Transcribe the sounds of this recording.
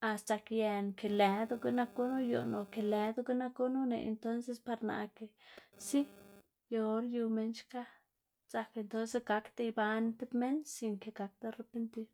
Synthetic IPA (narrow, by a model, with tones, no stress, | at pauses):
a˨st̪a˧kje˧nke˨lɛ˨d̪u˧ɡe˦na˧ko˦nu˦jo̰˧˨no˨ke˨le˨d̪u˦ɡe˦na˧ko˦nu˦nḛ˨ʔḛ˨nt̪o˦nse˧spa˧ɾna̰˧ke˨si˦ | jo˧o˧ɾju˧me˧nt͡ʃka˦ | za˧ke˧nt̪o˦nse˦sɡa˧kt̪a˧jba˧nt̪e˦bme˦nsi˧ŋke˨ɡa˨˧k̚t̪a˧ɾe˧pe˧nt̪i˦ɾ